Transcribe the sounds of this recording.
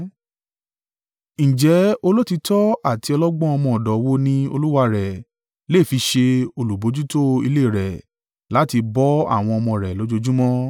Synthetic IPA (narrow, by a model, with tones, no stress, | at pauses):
ñ̩˨d͡ʒɛ˨˦o˧lo˦ti˧tɔ˦a˦˨ti˧ɔ˧lɔ˦ɡ͡bɔ̃˦ɔ˧mɔ̃˧˨ɔ˨dɔ˨˦wo˦nĩ˦o̰˧lu˦wa˧ɾɛ˨ | le˦˨fi˧ʃe˧o˧lu˨bo˨˦d͡ʒu˦to˦ḭ˧le˦˨ɾɛ˨ | la˨˦ti˧bɔ˦a̰˦˨w̃ɔ̃˧ɔ˧mɔ̃˧˨ɾɛ˨lo˨˦d͡ʒo˧d͡ʒu˦mɔ̃˦